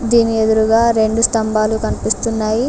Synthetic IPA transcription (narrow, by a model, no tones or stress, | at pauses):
d̪iːnied̪uɾuɡaːɾe̞ɳɖust̪ɐmbaːlukɐnipist̪unːaːji